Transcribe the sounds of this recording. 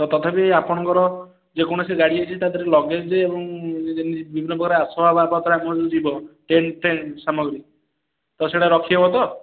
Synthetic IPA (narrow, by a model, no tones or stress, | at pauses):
t̪ɔt̪ɔt̪ʰapeapɔɽ̃ɔŋkɔɾɔ | d͡ʒekɔɽ̃ɔseɡaɽiat͡ʃʰit̪ad̪ʱɔɾelɔɡed͡ʒebɔŋnibibʱinːɔbɔɡaɾeasɔbʱababat̪ʰɔɾamɔd͡ʒud͡ʒibɔʈenʈensamɔɡɾi | t̪ɔseɽaɾɔkʰiɦebɔt̪ɔ